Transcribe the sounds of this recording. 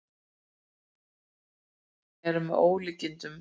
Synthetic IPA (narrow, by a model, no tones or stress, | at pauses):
ɛɾʏmɛoːwlɪcːɪnt̪ʏm